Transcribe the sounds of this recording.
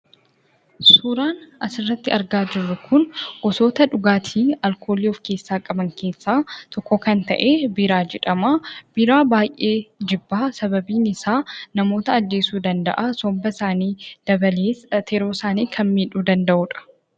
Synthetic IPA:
suːɾaːnɐsɪrːɐt̪ːɪɐɾɡaːd͡ʒɪrːʊkʊnʔɔso̞ːt̪ɐᶑʊɡaːt̪ʰiːɐlkʰo̞ːliːɔfke̞ːsːaːkʼɐbɐŋke̞ːsːaːt̪ʰɔkːɔkɐnt̪ɐ̰ʔe̞ːbɪɾaːd͡ʒɛᶑɐmaːb̥ɪɾaːbaːjʔe̞ːd͡ʒɪbːaːsɐbɐbiːnɪsaːnɐmo̞ːt̪ɐːd͡ʒːe̞ːsuːd̪ɐnd̪ɐ̰ʔasɔmbɐsaːniːd̪̥ɐbɐleːt̪ʰɛɾoːsaːniːkʰɐnmiːᶑuːd̪ɐnd̪ɐʔuːᶑɐ̥

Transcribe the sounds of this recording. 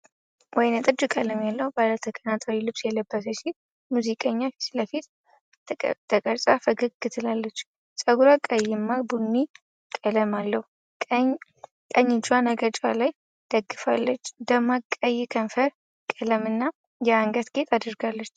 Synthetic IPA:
wʔɔjnɛt̪ʼɨd͡ʒukʼələmjalːəhubalət̪ʰəkʼənat̪ʰʼawilɨβsjɛləbːəs̬əʃit | muzikʼəɲːasləfit̪ | t̪ʰəkʼəɾsʼafəɡɨkːɨt̪ʰɨlalːət͡ʃː | sʼəɡuɾakʼəjːɪmːabunːi | kʼələmalːəhu | kʼəɲːɪd͡ʒanəɡət͡ʃʼalaj | d̪̥əɡːɨfalːət͡ʃːd̪əmakʼːəjːɛkʰənfəɾ | kʼələmɨnːa | jɛaŋɡət̪ɡ̥et̪ʰʼad̪ɨɾɡalːət͡ʃː

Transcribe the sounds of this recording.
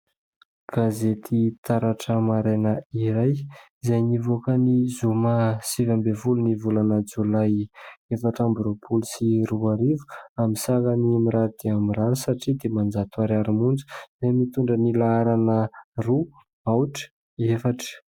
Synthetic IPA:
ɡ̥azet̪ʰit̪aɾaʈ͡ʂəmaɾenəiɾaj | zajnivokənizomasivambevulunivulanəd͡zolajefaʈ͡ʂambɾopʰulusiɾuaɾivu̥amisakanimiɾaɾud̪̥eamiɾaɾisaʈ͡ʂid̪emand͡zat̪uaɾaɾimund͡zu̥zajmit̪uɳɖ͡ʐənilaaɾanəru | awʈ͡ʂə̥ | efaʈ͡ʂə̥

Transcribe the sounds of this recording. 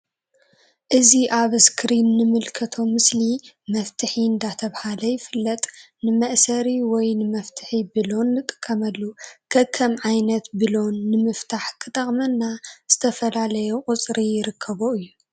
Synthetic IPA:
ʔɨziʔaβɨskʰɾinːɨmɨlkʰɐt̪ʰo̞mɨslimɐft̪ʰɨħiɨnd̪at̪ʰɐβhalɐjɪfɨlːɐt̪ʼ | nɨmɐʔsɐɾiwɔjnɨmɐft̪ʰɨ̥ħibɨlo̞nːɨt̪ʼɨ̥kʰːɐmɐlːukʰɐkʰːɐmʕajnɐt̪bɨlo̞nːɨmɨft̪ʰaħkʰɨt̪ʼɐχʼmɐnːaz̥ɨt̪ʰɐfɐlalɐjuqʼʊt͡sʼɾijɪɾɨkʰːɐβoɨjːu

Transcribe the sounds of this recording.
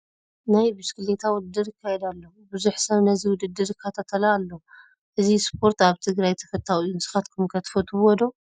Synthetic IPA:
najbɨskɨlet̪ʰawɔd̪ɨɾɨkʰːajɛd̪alːɐ | bɨzuħsɐβnɐziwʊd̪ɨd̪ːɨɾɨkʰːɐt̪ʰat̪ʰɐlaːlːo | ʔɨzispʰo̞ɾt̪aβt̪ʰɨɡɾajt̪ʰɐ̥kɐt̪ʰːawɨjːunɨsɨ̥xat̪kʰɨmkʰɐt̪ʰɨ̥fɐt̪ʰɨwɔd̪o

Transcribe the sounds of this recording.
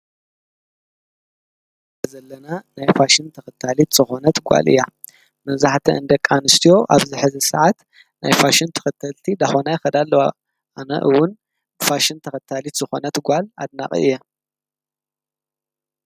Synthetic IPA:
azɐlːɐnanajfaʃɪnt̪ʰɐxɐt̪ʰːalit̪z̥ɨxo̞nɐt̪ɡʷa̰lʔɨ̰jːa | mɐβzaħt̪ʰɐɨnd̪ɐkʼːanɨst̪ʰijo̞ʔaβzɨħɨzɨsɨʕat̪ | najfaʃɪnt̪ʰɐ̥xɐt̪ʰɐlt̪ʰid̪axonajxɐd̪alːowa | anɐ̰ʔɨwːʊn | faʃɪnt̪ʰɐxɐt̪ʰːalit̪z̥ɨxo̞nɐt̪ɡʷala̰d̪̚na̰χʼɨ̰ɨ̰jːɛ

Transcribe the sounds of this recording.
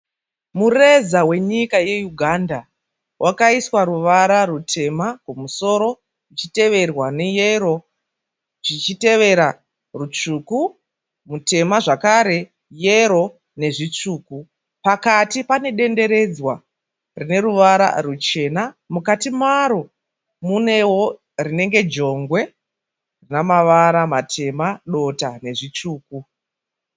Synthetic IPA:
murezawe̞ɲikaje̞juɡʱanda | wʔakaiswaɾuʋaɾarutʰe̞makumuso̞ɾo̞ | ʐit͡ʃite̞ʋe̞rwanejeɾo̞ | ʐit͡ʃite̞ʋe̞ɾa | rut͡ʂuːku | mute̞maʐakaɾe̞ | jeɾo̞ | ne̞ʐit͡ʂuːku | pakatipane̞ɗe̞nde̞ɾe̞d͡zwa | rine̞ruʋaɾa̰rut͡ʃe̞na | mukatimaɾo̞ | mune̞wo̞ | rine̞ŋɡe̞d͡ʒo̞ŋɡwe̞ | rinamaʋaɾamatʰe̞maɗo̞tane̞ʐit͡ʂuːku

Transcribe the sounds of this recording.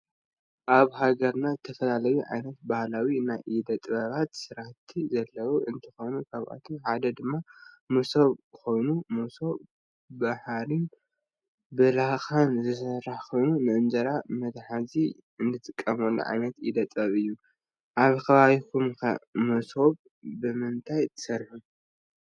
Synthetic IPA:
ʔaβhaɡɐɾnaɨt̪ʰɐfɐlalɐjuʕa̰jnɐt̪̚bahlawinajid̪ɐt̪ʼbɐβat̪sɨɾat̪ʰːizɐlːɐwuʔɨnt̪ʰɐxo̞jnukʰaβʔa̰t̪ʰomħad̪ɐd̪ɨmːa | musoβxo̞jnumoso̞ | baħlin | bɨlaxanzɨsɐrːaħkʰo̞jnunɨʔɨnd͡ʒɐɾamɐd̪ħazi | ɨnd̪ɨt̪ʼɨkʼːɐmolːo̰ʕa̰jnɐt̪id̪ɐt̪ʼɐβɨjːu | ʔaβkʰɐβaβikʰumkʰa̰mosoβ | bɨmɨnt̪ʰajt̪ʰɨ̥sɐɾħu

